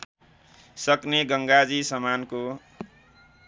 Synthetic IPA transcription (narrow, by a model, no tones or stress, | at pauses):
sʌkneɡʌŋɡad͡zisʌmanko